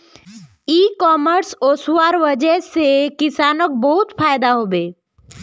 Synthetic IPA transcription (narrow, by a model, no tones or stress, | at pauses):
iːkɔːməɾsoːsuwaːɾʋəd͡ʒəsekɪsaːnək̚bəɦʊt̪pʰaːjd̪aɦoːbeː